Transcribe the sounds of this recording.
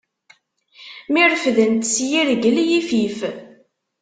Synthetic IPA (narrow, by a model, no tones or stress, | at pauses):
miɾəfðənt̪sjiɾɡəlijifif